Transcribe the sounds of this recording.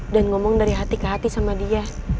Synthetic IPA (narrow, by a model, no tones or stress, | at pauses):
danŋɔmɔŋdaɾiɦat̪ikəɦat̪isamadia